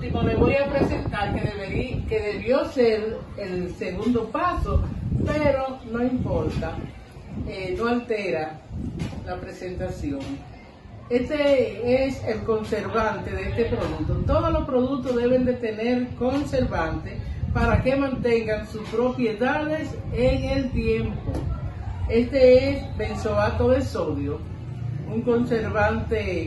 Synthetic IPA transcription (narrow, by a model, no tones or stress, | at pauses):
imoleβojapɾesent̪aɾkeðeβekeðeβjo̞seɾ | elseɣund̪o̞paso̞peɾo̞no̞impo̞ɾt̪a | enoalt̪eɾa | lapɾese̞nt̪asjo̞ŋ | est̪eeselko̞nse̞ɾβant̪e̞ðeest̪e̞pɾo̞ðuk̚t̪ot̪o̞ð̞olo̞spɾo̞ðuk̚t̪o̞ðe̞βe̞nd̪e̞t̪e̞ne̞ɾko̞ŋse̞ɾβant̪espaɾake̞mãnt̪e̞ŋɡaŋsuspɾo̞pje̞ðaðe̞seŋelt̪je̞mpo | e̞st̪e̞esbe̞nso̞βat̪oðe̞so̞ðjo | uŋko̞nse̞ɾβant̪e̞